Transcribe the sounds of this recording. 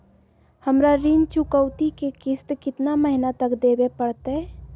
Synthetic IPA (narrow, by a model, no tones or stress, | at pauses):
həmɾaɾint͡ʃʊkəwt̪ikekɪst̪kɪt̪naməɦɪnat̪əkd̪eːbepəɽt̪ɦɛ